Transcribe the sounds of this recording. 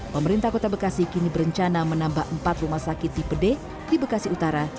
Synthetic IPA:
pəməɾint̪ahkot̪abəkasikinibəɾəɲt͡ʃanamənambahʔəmpat̪rumahsakɪt̪̚dipəde | dibəkasiut̪aɾa

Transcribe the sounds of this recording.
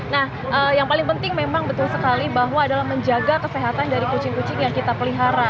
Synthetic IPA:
nah | ʔəjaŋpalɪŋpənt̪ɪŋmemaŋbət̪ulsəkalibaɦwaːdalahməɲd͡ʒaɡakəseɦat̪andaɾikut͡ʃɪŋkut͡ʃɪŋjaŋkit̪apəliɦaɾa

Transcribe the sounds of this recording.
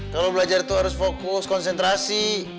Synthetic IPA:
kalowbəlad͡ʒart̪uɦaɾʊsfokʊskɔnsɛnt̪ɾasi

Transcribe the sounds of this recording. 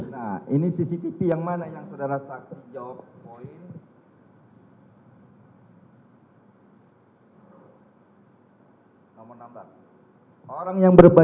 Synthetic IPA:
nahinisisit̪ipijaŋmanajaŋsodaɾasaksid͡ʒawap̚ːoɪn | nomɔrnamblas | oɾaŋjaŋbərba

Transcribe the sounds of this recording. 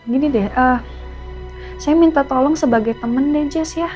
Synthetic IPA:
ɡinidɛhʔəː | sajamint̪at̪olɔŋsəbaɡajt̪əməndɛd͡ʒasja

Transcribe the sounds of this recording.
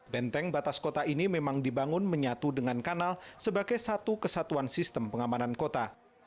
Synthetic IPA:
bɛnt̪ɛŋbat̪askot̪aʔinimemaŋdibaŋʊnməɲat̪udəŋankanalsəbaɡajsat̪ukəsat̪uansist̪əmpəŋamanankot̪a

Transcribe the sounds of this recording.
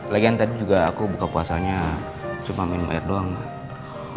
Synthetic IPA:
laɡiant̪adid͡ʒuɡaːkubukapuasaɲa | t͡ʃumamanma̰ɛ̰rdɔŋ

